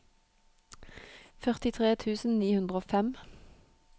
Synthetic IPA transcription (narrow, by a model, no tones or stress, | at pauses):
fœʁt̪ɪt̪ʰʁeːt̪ʰʉːsn̩niːhʉnd̪ʁəoːfɛm